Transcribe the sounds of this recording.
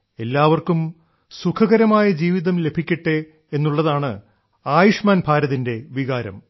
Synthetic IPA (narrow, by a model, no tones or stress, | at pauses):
e̞lːaːʋɐrkum | sukʰɐɣɐɾɐmaːjɐd͡ʑiːʋiðɐmle̞bʱikʲːiʈːe | enːuɭːɐðaːɳɨ̰ | aːjuʂmaːnbʱaːɾɐðinde̞ʋiɣaːɾɐ̰m